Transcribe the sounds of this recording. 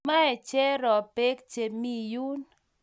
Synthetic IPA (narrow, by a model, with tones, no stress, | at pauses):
ma˦ɛ˨t͡ʃɛ˦ɾɔ˨pe˦k̚t͡ʃe˨mi˦ju˦n